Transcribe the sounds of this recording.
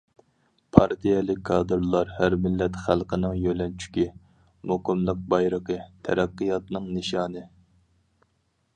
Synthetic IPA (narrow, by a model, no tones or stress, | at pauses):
pʰɑɾt̪ʰijɛlˠɪkʲʰːɑːd̪ɨɾlˠɑɾhæɾmɪlːɛt̪χælˠqʰənɨŋjølɛnt͡ʃʰy̥kʲi | moqəmlˠəq̚bɑjɾəqət̪ʰɛ̰ɾæqːɨjɑt̪nɨŋnɨʃɑːnɨ